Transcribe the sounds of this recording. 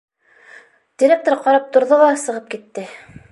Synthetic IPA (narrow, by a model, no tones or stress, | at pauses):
d̪̥ʲiɾʲek̚t̪oɾqɑɾɑp̚t̪ŏɾðolˠɑsɤ̆ʁɤp̚kit̪ːɘ